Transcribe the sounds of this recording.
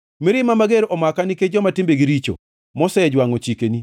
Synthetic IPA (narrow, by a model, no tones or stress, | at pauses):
miɾɪmamaɡeɾʔɔmakaniked͡ʒɔmatɪmbeɡiɾit͡ʃo̰ | mɔsɛd͡ʒwaŋɔt͡ʃikeni